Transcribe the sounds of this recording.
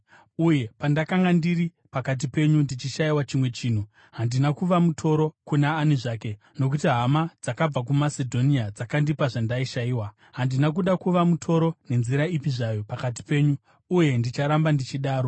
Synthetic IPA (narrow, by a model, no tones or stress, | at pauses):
uje̞pandakaŋɡandiri | pakat̬ipe̞ɲundit͡ʃiʃaiwat͡ʃimwe̞t͡ʃiːn̤u | ɦandinakuʋamutʰo̞ɾo̞kunaːniʐaːke̞ | no̞k̬utiɦamad͡zakab͡vak̬umasedʱo̞niad͡zakandipaʐandaiʃaiːwa | ɦandinak̬uɗakuʋamutʰo̞ɾo̞ne̞nziɾaipiʐajo̞pakat̬i̥pe̞ːɲuː | je̞ndit͡ʃaɾambandit͡ʃiɗaːɾo̞